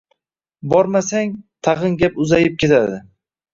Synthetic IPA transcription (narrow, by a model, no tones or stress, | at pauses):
bɒɾmasaŋt̪ʰɑʁɨnɡʲapʊzajɪp̚kʲʰe̞t̪ʰad̪ɪ